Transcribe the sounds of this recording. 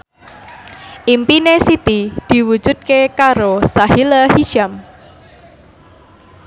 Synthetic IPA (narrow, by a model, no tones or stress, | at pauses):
ʔimpinesit̪id̪̥i̤wu̥d͡ʒʒ̥ṳd̪̚kekaɾosahilahiʃam